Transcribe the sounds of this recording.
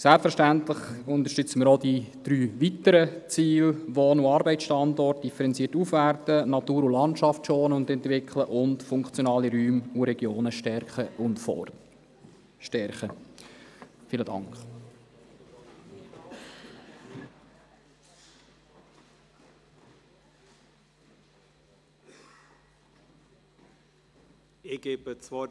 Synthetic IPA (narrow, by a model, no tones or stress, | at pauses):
sɛlpfəɾʃtæntlɪχʊnt̪əɾʃtʏt͡səmɪːɾɔdid̪̥ɾyːʋitəɾət͡siːlʋoːnuɑːɾbɛɪt͡sʃtɑndɔrt̚d̥ifəɾɛnt͡siətufʋærtənɑt̪uːɾulɑntʃɑftʃoːnəʊndɛnt̪ʋɪkʰləʔʊntfʊŋkχt͡sjonɑːliɾyːmuɾɛɡ̥joːnəʃtɛɾχəʊntfɔ̰ | ʃtɛɾχə | fɪlədɑ̰ŋkχ | ɪɡ̥eːbət͡sʋɔ